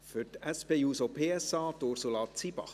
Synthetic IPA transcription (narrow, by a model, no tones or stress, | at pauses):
fʏɾtæspeːjuːsopʰeːɛsɑːt̪oɾsulɑːt͡sibɑ̰χ